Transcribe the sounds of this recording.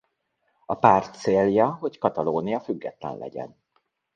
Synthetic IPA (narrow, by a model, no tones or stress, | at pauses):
ɒpaːrt̪seːljɒɦo̞ckɒt̪ɒloːnijɒfyɡːɛt̪lɛ̰nlɛ̰ɟɛ̰n